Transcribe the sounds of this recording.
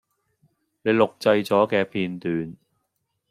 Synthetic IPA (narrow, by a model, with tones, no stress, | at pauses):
ne˨˧jlʊ˨k̚t͡sɐ˧jt͡sɔː˨˥kɛː˧pʰiː˧nt̪yː˨n